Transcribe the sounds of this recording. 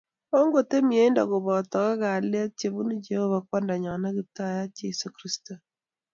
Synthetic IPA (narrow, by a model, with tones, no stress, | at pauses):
o˦ŋɡo˨te˦mje˦nda̰˨kʊ˨βɔ˨tɔ˨ka˦ka˨le˦t̚t͡ʃe˨βu˦ni˦d͡ʒe˨ho˦βa˦k̚wɔ˦nda˨ɲɔ˨na˦ki˦ta˦ja˦t͡ʃe˦su˨kɾi˦sto˨